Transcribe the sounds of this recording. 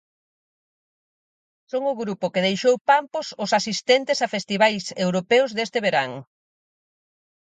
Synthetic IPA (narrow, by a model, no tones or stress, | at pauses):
soŋʊɣɾupʊkɪðejʃowpampʊsʊsasist̪ɛnt̪ɪsafest̪iβajsewɾopɛwzðest̪ɪβeɾaŋ